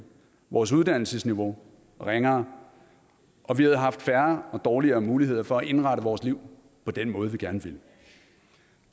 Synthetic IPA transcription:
ʋɒːs̬uð̞ˠd̥æn̰l̩səsniʋo̝ | ʁeŋɐ | ʔɒ̽ʋihæð̞̩ˠɦɑ̈fd̥fæɐɒ̽d̥ɒːliɐːmuːliɦe̝ð̰ˠɐfɒ̽æʔe̝nʁɑ̈ɾəʋɒːsliʊ̰ | pʰɒ̽d̥enmɔ̽ːð̞̩ˠʋiɡ̥æɐnəʋe̝l

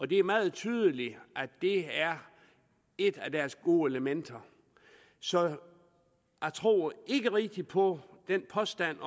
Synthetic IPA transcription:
ɒ̽d̥e̝æɐmɑ̈ːð̞̩ˠt͡sʰyːð̞ˠəliʔæd̥e̝æɐ | e̝d̥æd̥æɐsɡ̥o̝̰ːeləmen̰d̥ɐ | sɒ̽ | jɑ̈ɪt͡sʰʁo̝̰ːe̝ɡ̥əʁeɡ̥̚d̥ipʰɒ̽d̥enpʰɒ̽sd̥æn̰

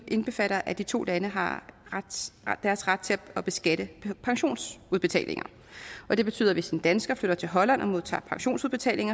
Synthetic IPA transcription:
ʔe̝nb̥e̝fæɾ̥ɐʔæd̥it͡sʰo̝̰ːlænəɦɑ̈ʁad̥d̥æɐsʁad̥̚t͡sʰe̝læɒb̥e̝sɡ̥æɾ̥əpʰɑ̈ŋɕo̝̰ːnsuð̞ˠb̥e̝t͡sʰɛ̰ːlʔe̝ŋɐ | ʔɒ̽d̥e̝b̥e̝t͡sʰy̰ːðˠɐʋe̝sind̥ænsɡ̥ɐfløɾ̥ɐt͡sʰe̝ɦɒ̽læn̰ʔɒmo̝ð̞ˠt͡sʰɑ̰̈ːpʰɑ̈ŋɕo̝̰ːnsuðˠb̥e̝t͡sʰɛ̰ːle̝ŋɐ

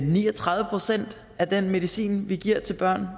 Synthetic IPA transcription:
niːɒt͡sʰʁɑ̈ðˠʋəpʰʁo̝sen̰d̥ | æd̥enme̝ðˠisḭːnʋiɡ̥iɐ̰t͡sʰe̝lb̥ɶɐ̰n

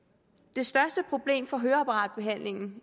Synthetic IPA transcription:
d̥e̝sd̥ɶɐsd̥əpʰʁo̝b̥le̝̰ːmfɒ̽ɦøːɐɑpʰɑʁɑ̈ːd̥̚b̥e̝ɦæn̰le̝ŋn̩

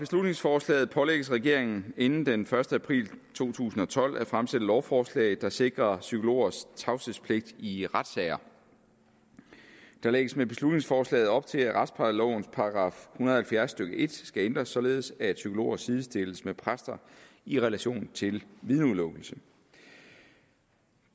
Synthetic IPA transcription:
b̥e̝slud̥ne̝ŋsfɒːslɛ̰ːð̩ˠpʰɒ̽leɡ̥əsʁɛɡ̥e̝ɐe̝ŋn̩e̝nn̩d̥enfɶɐsd̥əæpʰʁḭːlt͡sʰo̝̰ːt͡sʰṵːsn̩ɒ̽t͡sʰɒ̽l̰ʔæfʁamsed̥əɒʊfɒːslɛ̰ɪð̩ˠd̥ɑ̈se̝ɡ̥ʁɐsykʰo̝lo̝̰ːɐst͡sʰɑ̈ʊsespʰle̝ɡ̥̚d̥iʁad̥sɛɪɐ | d̥ɑ̈leɡ̥əsmeb̥e̝slud̥ne̝ŋsfɒːslɛ̰ːɪð̩ˠɒ̽b̥̚t͡sʰe̝læʁad̥spʰɑ̈d̥lɒʊn̩spʰɑ̈ɑɡ̥ʁɑ̰̈ːfhunɐðˠhælfjæɐsːd̥øɡ̥əʔe̝d̥sɡ̥æend̥ʁɐsːɒ̽le̝ːð̞ˠsæsykʰo̝lo̝̰ːɐsið̞ˠsd̥e̝ləsmepʰʁasd̥ɐ | iʁɛlæɕo̝̰ːnt͡sʰe̝lʋið̞ˠnuðˠlɔ̽ɡ̥l̩sə

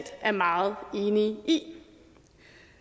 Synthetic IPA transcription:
d̥æɐmɑ̈ːð̩ˠe̝ːniʔi

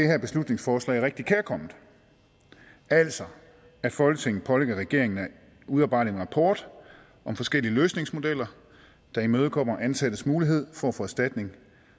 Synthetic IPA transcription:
d̥ehæɐ̰b̥e̝slud̥ne̝ŋsfɒːslɛ̰ɪæɐʁɛɡ̥̚d̥ikʰeɐkʰɒ̽m̰ð̩ˠ | æl̰sɒ̽ | æ̥fɒ̽lɡ̥ət͡sʰe̝ŋn̩ˠpʰɒ̽leɡ̥ɐʁɛɡ̥e̝ɐ̰e̝ŋn | uðˠɑb̥ɑ̈ɪdienʁɑ̈pʰɒːd̥ | ʔɒ̽mfɒ̽sɡ̥el̰iəløːsne̝ŋsmo̝d̥el̰ɐ | d̥ɑ̈imøːð̞ˠkʰɒ̽m̰ɐʔænsæd̥əsmuːliɦe̝ð̞̰ˠfɒ̽æfɔ̽æsd̥æd̥ne̝ŋ

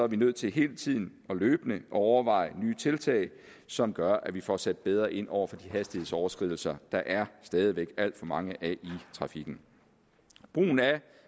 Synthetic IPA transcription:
sɒæɐʋinøð̞̰ˠt͡sʰe̝lɦe̝ːlət͡sʰið̞̰ˠn̩ | ɒ̽løːb̥nəʔɒɒʊɐʋɑ̈ɪnyːt͡sʰe̝lt͡sʰɛ̰ɪ | sɒ̽mɡ̥ɶɐʔæʋifɒsed̥̚b̥eð̞ˠʁɐʔe̝n̰ʔɒ̰ʊ̰ɐfɒ̽d̥iɦæsd̥ihe̝ð̞̰ˠsɒʊɐsɡ̥ʁiðˠl̩sɐd̥ɑ̈ʔæɐsd̥ɛːð̞ˠiʋeɡ̥æl̰d̥fɒ̽mɑ̈ŋəʔæʔit͡sʰʁɑ̈fiɡ̥n̩ | b̥ʁṵːn̩æ

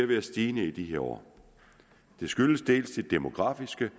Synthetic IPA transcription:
ɐʋeæsd̥iːnəid̥iɦe̝ɐɒ̰ː | d̥e̝sɡ̥yləsd̥e̝̰ːlsd̥e̝d̥e̝mo̝ɡ̥ʁɑ̈fisɡ̥ə

